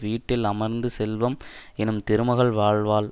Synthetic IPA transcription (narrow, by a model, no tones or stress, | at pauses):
ʋiːʈːɪlɐmɐɾnd̪ɯsɛlʋɐmɛnɯmt̪ɪɾɯmɐɣɐɭʋaːɭʋaːl